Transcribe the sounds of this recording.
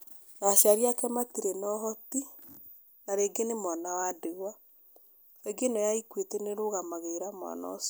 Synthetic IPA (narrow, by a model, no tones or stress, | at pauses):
ɣaʃaɾiakɛmatiɾenɔɦɔti | naɾeːɡenemwanawadeɣwa | eɡenɔjaikwetɛneɾoɣamaɣeiɾamwa̰nɔ̰ɔs